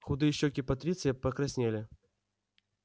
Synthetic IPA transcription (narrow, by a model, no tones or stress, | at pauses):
xʊd̪ɨjəɕːokʲɪpɐt̪ɾʲit̪sɨjəpɐkɾɐsʲnʲelʲɪ